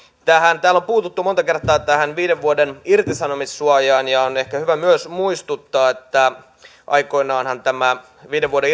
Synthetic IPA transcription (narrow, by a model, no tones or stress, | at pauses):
t̪æhænt̪æːlːompuːt̪ut̪ːumot̪ɑke̞rt̪ˑɑːt̪æhænʋiːdeʋʋuodenirt̪isɑnomisːuɑjɑːnjɑonehkæhyʋæmyøsmuist̪ut̪ːɑːet̪ːæ | ʔɑ̰iko̞inɑːnhɑnt̪æmæ | ʋiːdeʋuoɾe